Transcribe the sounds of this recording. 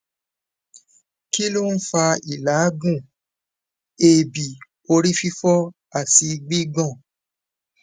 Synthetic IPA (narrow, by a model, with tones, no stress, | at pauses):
ki˦lo˦n̩˦fa˧i˨la˨˦ɡũ˦˨ | e˨bi˨ | o˧ɾi˦fi˦fɔ˦ | a˦˨ti˧ɡ͡bi˦ɡɔ̃˦˨